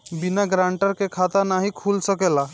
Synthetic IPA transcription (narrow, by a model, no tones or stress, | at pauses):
binaɡɾaɳʈəɾkekʰat̪anaɦikʰulsəkela